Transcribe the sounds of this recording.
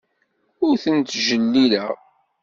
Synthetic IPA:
ʊɾθənt̪ʒəlːiləʁ

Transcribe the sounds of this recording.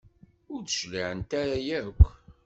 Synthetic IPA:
ʊɾθə̥ʃlaʕənt̪aɾajækʷː

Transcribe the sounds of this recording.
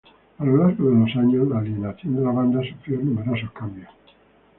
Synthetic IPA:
alolaɾɣoðelosaɲozlalinat̪jend̪elaβand̪asufɾionumeɾos̬okambjo

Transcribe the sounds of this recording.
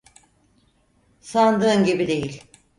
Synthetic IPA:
sand̪ɯɯnɟibid̪e̞jilʲ

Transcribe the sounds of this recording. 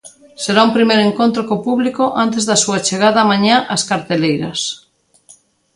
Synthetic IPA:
seɾaumpɾimejɾeŋkõnt̪ɾokopuβlikoʔant̪ezðasuat͡ʃeɣ̞að̞aːmãɲaʔaskaɾt̪elejɾɐs

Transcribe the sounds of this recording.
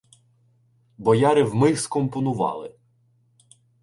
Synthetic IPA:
bɔjɑɾɪwmɪskɔmpɔnʊʋɑ̰lˠɪ̰

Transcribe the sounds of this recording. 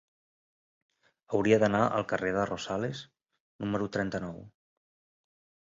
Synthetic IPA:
əwɾiəðənaʔə̰lˠkəreðərʔosales | numəɾut̪ɾɛnt̪ənɔw

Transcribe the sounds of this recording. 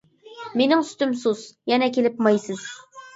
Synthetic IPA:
menɪŋst̪ymsuzjɛnɛk̬ʲelɪpmɑjsɨz̥

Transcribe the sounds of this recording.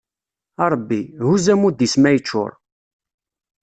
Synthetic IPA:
ɑɾˤbːihuzæmud̪ismæjət͡ʃːʊ̰ɾˤ

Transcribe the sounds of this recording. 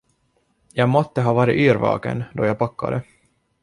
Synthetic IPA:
jɑːɡmɔt̪ːəɦɑːvɑːɾɪʔyːɾvɑ̰ːkə̰nd̪ɔjɑːɡpakːa̰d̪ə

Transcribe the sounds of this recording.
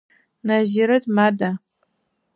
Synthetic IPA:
naziɾɨdmada

